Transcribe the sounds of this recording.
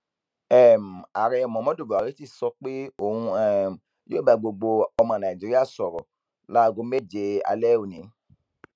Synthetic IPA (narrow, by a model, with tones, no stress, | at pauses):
ɛ˦˨m̩˨a˨ɾɛ˧ɔ˨mɔ̃˨˦mɔ̃˦do˦˨bu˨a˨ɾi˨˦ti˦˨sɔ˧k͡pe˦o˦˨hũ˧ɛ˦˨m̩˨ | jo˦ba˨˧ɡ͡bo˧ɡ͡bo˧ɔ˧mɔ̃˧˨nã˨d͡ʒi˨˦ɾi˦a˦˨sɔ˨ɾɔ˨ | la˦˨ɡo˨˧˦me˦˨d͡ʒe˧a̰˧lɛ˦˨o˦˨nĩ˨˦